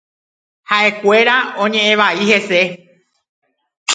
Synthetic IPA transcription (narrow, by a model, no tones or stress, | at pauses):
haʔe̞kʷe̞ɾaõ̞ɲẽ̞ʔẽʋaihe̞se̞